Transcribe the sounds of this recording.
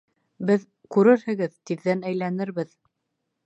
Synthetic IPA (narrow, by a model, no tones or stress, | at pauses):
bɘð | kʉɾɘɾhɘ̆ɡɘðt̪iðːænæjlænɘɾβɘð